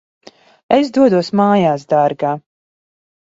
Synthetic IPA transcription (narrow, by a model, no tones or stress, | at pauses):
esd̪uɔd̪uɔsmaːjaːsd̪aɾɡaː